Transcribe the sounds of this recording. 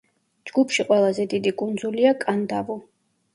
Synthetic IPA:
d͡ʒɡupʰʃiqʼwɛlˠazɛd̪id̪ikʼund̪zuliakʼand̪avu

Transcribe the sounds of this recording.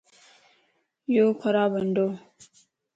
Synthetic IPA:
jokʰaɾabəndo

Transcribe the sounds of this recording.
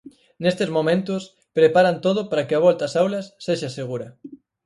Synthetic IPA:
nest̪ezmomẽnt̪ʊs | pɾepaɾɐnt̪oð̞ʊpaɾɐkɪɐβ̞ɔlt̪ɐasawlɐsːeʃaseɣuɾɐ

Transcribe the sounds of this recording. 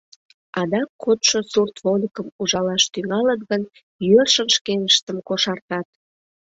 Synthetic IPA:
ɑd̪ɑkʰːot̪ʃosurt̪volʲikəmuʒɑlɑʃt̪yŋɑlət̪ɣən | jørʃənʃkenəʃt̪əmkoʃɑrt̪ɑt̪̚

